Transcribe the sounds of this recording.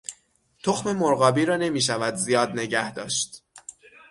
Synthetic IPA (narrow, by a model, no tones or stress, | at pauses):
t̪ʰoxme̞moɾɣɒːbiːɾɒːne̞miːʃ̬ævæd̪zijɒːd̪ne̞ɟæhd̪ɒːʃt̪